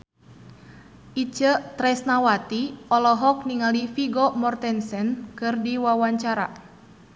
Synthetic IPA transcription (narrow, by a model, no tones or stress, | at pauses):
ʔit͡ʃət̪ɾɛsnawat̪iɔlɔɦɔk̚niŋalifiɡɔmɔrt̪ɛnsɛnkɨrdiwawaɲt͡ʃaɾa̰